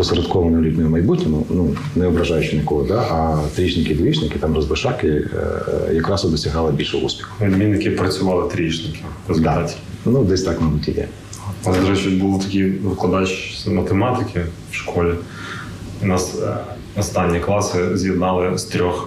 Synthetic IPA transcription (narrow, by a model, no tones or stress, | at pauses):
pɔsɐɾɐt̪kɔʋɐnʊlʲutʲnʲɔjʊmɐjbutʲɔmʊnu | nɛɔbɾɐʒɑjʊt͡ʃɪnʲɐkɔɦɔd̪ɑʔɐt̪ɾʲit͡ʃnɪkɪd̪ʲit͡ʃnɪkɪt̪ɑmrɐzbɪʃɑkɪ | jɐkɾɑsʊd̪ɔsʲɐɦɑlˠɪbʲilʲʃɛṵspʲi̥xʊ̥ʋʲid̪ʲmʲinːɪkʲɪpɾɐt͡sʲʊʋɑlˠɪt̪ɾʲit͡ʃnɪkʲɪrɐzd̪ʲt̪atʲ | nud̪ɛsʲt̪ɑkmɐjbutʲijɛ̰ | nɑsd̪ɔɾɛt͡ʃitʲbulˠt̪ɐkʲiʋɪklˠɐd̪ɑt͡ʃsʲɐmɐt̪ɪmɑt̪ɪkʲʰɪ | fʃkʰɔlʲɪ | ʊnɑs | nɐst̪ɑnʲːiklˠɑsɪzʲjɪd̪nɑlˠɪst̪ɾʲɔx